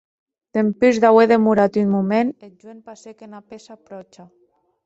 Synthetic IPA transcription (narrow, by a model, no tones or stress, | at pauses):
t̪empyzðaweðemuɾat̪ynmumened͡ʒwenpasekenapesapɾɔt͡ʃa